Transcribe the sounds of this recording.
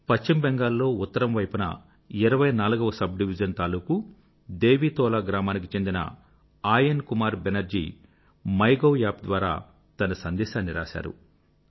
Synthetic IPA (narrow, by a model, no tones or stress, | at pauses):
pɐt͡ʃt͡ʃimbeŋɡaːlːo̞ːut̪ːɐɾɐmʋɐjpunɐ̰ | iɾɐʋɐjnaːluɡɐʋɐsɐb̚ɖiʋid͡ʒɐnt̪aːluːku | d̪e̞ːʋiːt̪ɔːlaːɡɾaːmaːnik̬it͡ʃe̞nd̪inɐ̰ | aːjɐnkumaːɾbenɐɾd͡ʒḭː | mɐjɡojaːp̚d̪ʋaːɾa̰ː | t̪ɐnɐsɐnd̪ɛːʃaːnːiɾa̰ːʃa̰ːɾṵ